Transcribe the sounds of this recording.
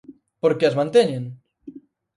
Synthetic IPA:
poɾkeazmãnt̪eɲeŋ

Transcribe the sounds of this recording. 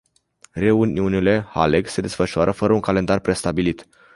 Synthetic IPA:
re̞uniunile̞ha̰leɡse̞d̪e̞sfəʃuaɾʔəfəɾəuŋkale̞nd̪arpɾe̞st̪abilit̪

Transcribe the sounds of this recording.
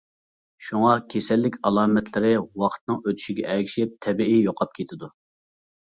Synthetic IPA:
ʃuŋɑkʲʰesɛlːɪkʲʰɑlˠɑːmɛt̪ʰlɪɾɪwɑqʰə̥t̪nɨŋøt̪ʰy̥ʃiɡʲɛʔɛɡʲiʃɪp̚t̪ʰɛbiijoqʰɑp̚kʲʰet̪ʰɪd̪u

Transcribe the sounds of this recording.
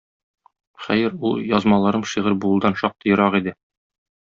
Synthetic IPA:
χæjɘɾulˠjɒzmɑlˠɑɾɤmʃiʁɤɾbuɤ̆lˠd̪ɑnʃɒq̚t̪ɤjɤ̆ɾɑʁid̪ɘ

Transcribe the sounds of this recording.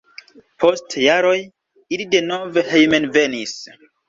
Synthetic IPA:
pʰo̞stjaɾo̞j | ilide̞no̞ve̞hejmenve̞nis

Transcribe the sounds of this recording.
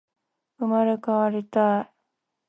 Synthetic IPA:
ɯmaɾekaβaɾit̪ai

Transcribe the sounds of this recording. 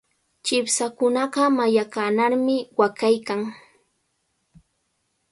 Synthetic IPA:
t͡ʃɪpsakʊnɑɢɑmajakanaɾmɪwakajkaŋ

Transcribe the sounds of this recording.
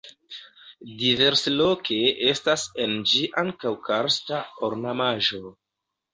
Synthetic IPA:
dive̞ɾselo̞kʰe̞e̞stasend͡ʒiʔaŋkawkʰaɾstaoɾnamaʒo̞

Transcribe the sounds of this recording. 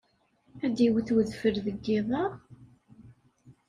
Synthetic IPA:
æd̪iwθwəðfəɾðəɡːiðˤɑʁ

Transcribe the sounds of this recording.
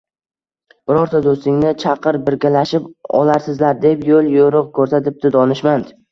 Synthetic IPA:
b̥ɪɾɒɾt̪ʰad̪ost̪ɪŋnɪt͡ʃʰɑqɨɾbɪɾɡʲalaʃɪpɒ̰laɾsɪzlaɾd̪e̞pjolˠjoɾʊqkʰɵɾsat̪ɪp̚t̪ɪd̪ɒnɪʃmand̪

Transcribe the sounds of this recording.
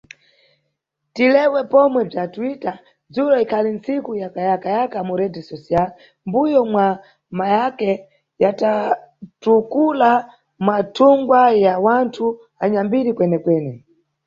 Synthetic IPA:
tilɛwɛpɔmwɛb͡ʐatwita | d͡zuɾɔikʰalin̩sikujakajakajakamuɾɛtɛsɔsial | mbujɔmwa | majakɛ | jata | tukula | mwatʰuŋɡwajawantʰu | aɲambiɾikwɛnɛkwɛːnɛ

